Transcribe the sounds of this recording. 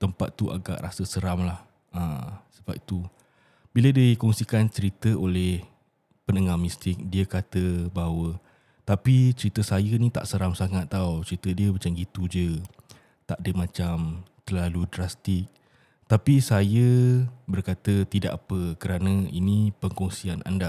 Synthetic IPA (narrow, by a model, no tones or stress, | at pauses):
t̪əmpa̰t̪ːuʔa̰ɡa̰ʔɾasəsəɾamlah | əsəbap̚it̪u | bilədiikɔŋsikant͡ʃəɾit̪əʔolɛh | pənəŋamist̪ɪk̚diəkat̪əbaɦawə | t̪apit͡ʃəɾit̪əsajənĩt̪a̰ʔsəɾamsaŋat̪ːaut͡ʃəɾit̪ədiəmat͡ʃamɡit̪ud͡ʒə | t̪aʔdəmãt͡ʃamt̪ərlaludɾast̪ɪk̚ | t̪apisajəbərkat̪ət̪ida̰ʔapəkəɾanə̃inĩpəŋkɔŋsiana̰nda